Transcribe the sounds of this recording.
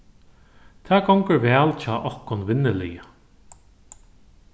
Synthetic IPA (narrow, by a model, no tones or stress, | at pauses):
t̪ʰæːɡɔwŋkəɹʋɛːlt͡ʃʰɔːʔɔhkʊnʋɪnːɪlɪ̰ja